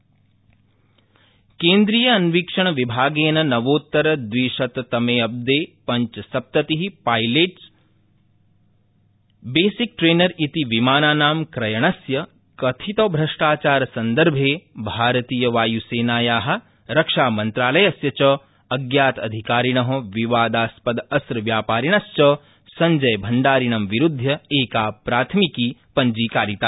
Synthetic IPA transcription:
keːnd̪ɾiːjɐːnʋikʂɐɳ̃ɐʋibʱaːɡeːnɐnɐʋoːt̪ːɐɾɐd̪ʋiːʃɐt̪t̪ɐmeːɐb̚d̪eːpɐɲt͡ʃsɐp̚t̪ɐt̪iɦipaːjleːʈs | beːsik̚ʈɾeːnɐɾit̪iʋimaːnaːnaːmkɾɐjɐɳɐsjɐ | kɐt̪ʰit̪oːbʱɾɐʂʈaːt͡ʃaːɾsɐnd̪ɐɾbʱeːbʱaːɾɐt̪iːjɐʋaːjuseːnaːjaːɦɐ̆ | ɾɐkʂaːmɐnt̪ɾaːlɐjɐsjɐt͡ʃɐ | ɐɡjaːt̪ɐ̰d̪ʱikaːɾiɳ̃ɐɦɐʋiʋaːd̪aːspɐd̪ɐsɾʋjaːpaːɾiɳ̃ɐst͡ʃɐ | sɐ̃ɲd͡ʒɐjbʱɐɳɖaːɾiɳ̃ɐmʋiɾud̪ʱjɐeːkaːpɾaːt̪ʰmikiːpɐɲd͡ʒiːkaːɾit̪aː

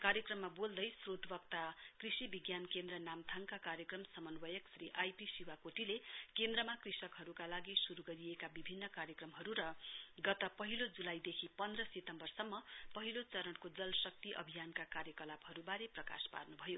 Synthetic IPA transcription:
kaɾjʌkrʌmːabold̪ʌjsrot̪bʌk̚t̪akrisibiɡjankend̪rʌnamt̪ʰaŋkakaɾjʌkrʌmsʌmʌnwʌjʌksriʔajpisiwakoʈilekend̪rʌmakrisʌkɦʌɾukalaɡisuɾuɡʌɾiekabibʱinːʌkaɾjʌkrʌmɦʌɾuɾʌɡʌt̪ʌpʌɦilod͡zulajd̪ekʰipʌnd̪rʌset̪ʌmbʌrsʌmːʌpʌɦilot͡sʌɾʌɽkod͡zʌlsʌk̚t̪iʔʌ̰bʱijankakaɾjʌkʌlabɦʌɾubaɾeprʌka̰spa̰rnubʱʌjo

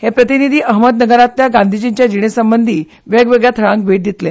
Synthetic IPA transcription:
hepɾət̪inid̪ʱiːʔəɦməd̪nəɡəɾat̪ljaɡãnd̪ʱid͡ʑiɲt͡ɕjad͡ʑiɽ̃esəmbənd̪ʱiː | ʋeɡʋeɡɭjat̪ʰəɾãŋk̚ʋʱeʈ̚d̪it̪le

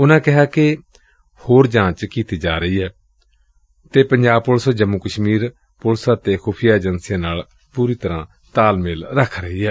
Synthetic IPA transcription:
ʊnãːkɪɦaːkɪ | hoːɾd͡ʒãːt͡ʃkiːt̪iːd͡ʒaːɾəiːɦɛː | t̪eːpəɲd͡ʒaːb̚polsd͡ʒəmːukəʃmiːɾ | pʊlsaːt̪eːxʰuːpʰɪjaːd͡ʒənsɪjãːnaːl | puːɾiːt̪əɾãː | t̪aːlmɪlɾəkʰɾəɦiːɦɛː

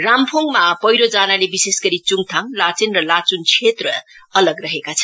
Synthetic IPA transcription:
rampʰoŋɡmapʌjɾod͡zanalebisesɡʌɾit͡suŋɡt̪ʰaŋlat͡sinrʌlat͡sunt͡sʰet̪rʌ | ʌlʌɡrʌɦekat͡sʰʌn

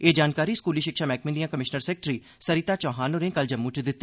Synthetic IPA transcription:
eːd͡ʒaːnkaːɾiːskuːliːʃɪkʃaːmɛːkmɪnd̪ijãːkəmɪʃnəɾsɛːk̚ʈɾiː | səɾiːt̪aːt͡ʃɔ̃ːɦaːnoːɾẽːkəld͡ʒəmːut͡ʃd̪ɪt̪ːi

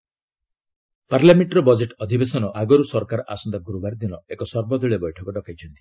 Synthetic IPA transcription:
paɾljameɳʈɾɔbɔd͡ʒeʈɔd̪ʱibesɔnɔʔaɡɔɾusɔɾkaɾɔʔa̰sɔnd̪aɡuɾubaɾd̪inɔekɔsɔɾbɔd̪ʱiɭebɔjʈʰɔkɔɖɔkajt͡ʃʰɔnt̪i̥

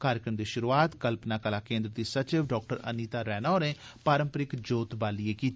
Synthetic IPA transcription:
kaːɾjəkɾəmd̪iːʃʊɾuaːt̪kəlpnaːkəlaːkẽːnd̪ɾəd̪iːsət͡ʃɪʋɖɔːk̚ʈəɾə̰niːt̪aːɾɛːnaːnẽːpaːɾəmpɾɪkd͡ʒoːt̪baːlieːkiːt̪ː

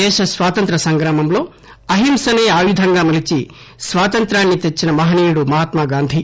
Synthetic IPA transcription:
ɛːʃɐsʋaːt̪ɐnt̪ɾɐsɐŋɡɾaːmɐmlo̞ː | ɐɦimsɐnɐjaːʋid̪ʱɐŋɡaːmɐlit͡ʃi | sʋaːt̪ɐnt̪ɾaːnːit̪et͡ʃːinɐmɐɦɐniːɾuɽumɐɦaːt̪maːɡaːnd̪ʱi

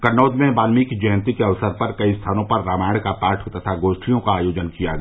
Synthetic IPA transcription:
kɐnoːd̪mẽbaːlmikd͡ʒɛɦənt̪ikeɐʋsəɾpɐɾkɐist̪ʰaːnõpɐɾːaːmaːɪɽkapaːɾʈʰɦot̪at̪ʰaɡoːʃʈʰijõkaaːjoːd͡ʒənkijaɡ

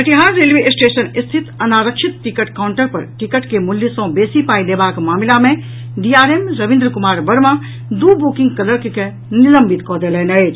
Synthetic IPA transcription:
pəʈiɦaɾɾelʋesʈesənist̪ʰit̪ənaɾəkt͡ʃʰit̪̚ʈikəʈkawɳʈəɾpə̰ɾʈikəʈkemuljisə̃besipailebakmamilame | ɖiaɾemɾəʋĩnd̪ɾəkumaɾbəɾmã | d̪ubukĩŋɡkələɾkeke | niləmbit̪kɔd̪elɛnət͡ʃʰ

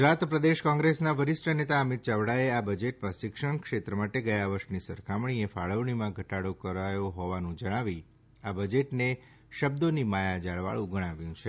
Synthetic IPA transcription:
ɡd͡ʒɾat̪pɾəd̪eʃkɔ̃ŋɡɾesnaʋəɾɪsʈʰənet̪aəmit̪t͡ʃaʋɽaeabəd͡ʒeʈmãʃɪkʃəɳ̃kʃet̪ɾəmaʈeɡəjaʋəɾʃnisəɾkʰamɳ̃iefaɭəʋɳ̃imãɡʱəʈaɽokəɾajoɦɔʋanũd͡ʒəɽ̃aʋi | abəd͡ʒeʈne | ʃəb̚d̪onimajad͡ʒaɭʋa̰ɭũɡəɽ̃aʋjũt͡ʃʰe

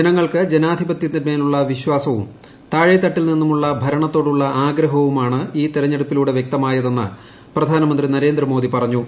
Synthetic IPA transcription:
d͡ʑenɐŋːɐɭkɨd͡ʑe̞naːd̪ʱibɐt̪jɐniɾmɐjiluɭːɐʋiɕwaːsɐʋṵm | t̪aːɻit̪ːɐʈːilninːumuɭːɐbʱɐɾɐɳɐt̪ːo̞ːɽuɭːɐaːɡɾɐɦɐʋumaːɳɨiːt̪iɾɐɲːe̞ɽupːiluːɽe̞ʋje̞k̚t̪ɐmaːjɐðe̞nːɨ̰ | prɐd̪ʱaːnɐmɐndrinɐɾe̞ːnd̪rɨmo̞ːd̪ipɐrɐɲːu

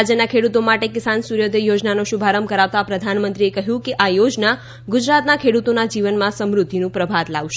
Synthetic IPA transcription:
d͡ʒənakʰeɽut̪omaʈekɪsansuɾjod̪ejod͡ʒnanoʃubʱaɾəmkəɾaʋt̪apɾəd̪ʱanmənt̪ɾiekəɦjũkeʔajod͡ʒna | ɡud͡ʒɾat̪nakʰeɽut̪onad͡ʒiʋənmãsəmɾud̪ʱinũpɾəbʱad̪laʋʃe

